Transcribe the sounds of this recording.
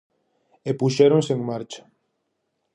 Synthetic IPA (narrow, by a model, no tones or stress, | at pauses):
epuʃeɾõnseeŋmaɾt͡ʃḁ